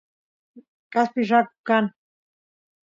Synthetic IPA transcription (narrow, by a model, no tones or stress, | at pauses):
kaspiʐakukan